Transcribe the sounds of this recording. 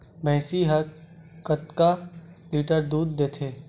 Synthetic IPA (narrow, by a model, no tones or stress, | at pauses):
bɛ̃ːsiɦəkət̪kaliːʈəɾd̪uːd̪ːeːt̪ʰeː